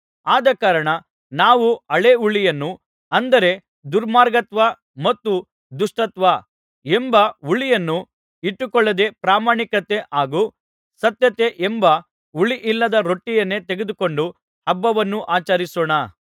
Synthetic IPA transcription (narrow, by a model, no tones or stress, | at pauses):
aːd̪ɐkaːɾɐɳɐ | naːʋuɐɭeuɭijɐnːu | ɐnd̪ɐɾe̞ | d̪uɾmaːɾɡɐt̪ʋɐ | mɐt̪ːu | d̪uʂʈɐt̪ʋɐ | embɐuɭijɐnːu | iʈːukɔɭːɐd̪e̞pɾaːmaːɳikɐt̪e̞ʔaːɡu | sɐt̪jɐt̪e̞ʔembɐ | uɭiʔilːɐd̪ɐɾo̞ʈːijɐnːe̞t̪eɡed̪uko̞ɳɖu | hɐbːɐʋɐnːuʔaːt͡ʃɐɾisɔːɳɐ